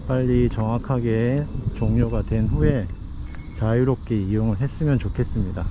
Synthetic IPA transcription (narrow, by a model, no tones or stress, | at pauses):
p͈aʎːit͡ɕʌŋakʰaɡe̞t͡ɕoŋɲoɡatwe̞nɸue̞ | t͡ɕajuɾop̚k͈e̞ijoŋɯɭɦe̞s͈ɯmjʌnt͡ɕokʰe̞s͈ɯmɲida